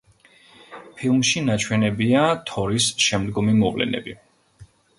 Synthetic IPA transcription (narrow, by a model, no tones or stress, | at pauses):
pʰilˠmʃinat͡ʃʰwɛnɛbiat̪ʰɔɾisʃɛmd̪ɡɔmimɔkʼlɛ̰nɛ̰bi